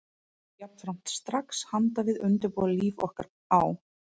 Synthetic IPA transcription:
jḁt̪fɾam̥t̪st̪ɾakshant̪avɪðʏnt̪ʏɾpɔːðaliːvɔ̰hka̰ɾ | aw

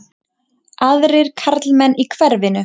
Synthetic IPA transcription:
aðɾɪɾ̥kʰaɾt̪lmɛnːikʰvɛɾvɪnʏ

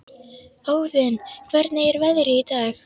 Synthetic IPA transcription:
aːwðʏnkʰvɛɾt̪naɛɾvɛðɾɪit̪ax

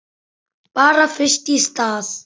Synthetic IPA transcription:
paːɾafɪʃʈiːst̪aːs

